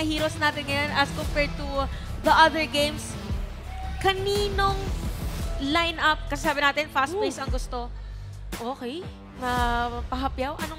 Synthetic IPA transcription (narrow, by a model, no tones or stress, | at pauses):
ɐhiːɾosnaːt̪ɪnŋɐjonʔɐskompɛɹd̪̚t̪u | ðɐʔɐðəɹɡẽjms | kɐniːnoŋ | lajnʔɐp̚kɐsaːbɪnaːt̪ɪnfast̪̚pejsɐŋɡʊst̪o̞ | ʔoːkɛj | nɐpɐɦɐpjawʔɐno